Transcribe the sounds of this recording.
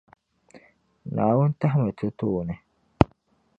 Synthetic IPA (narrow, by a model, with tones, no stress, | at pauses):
naː˨wu˦n˦ta˦ɦmɛ˨tu˦tuː˦˨nɛ˨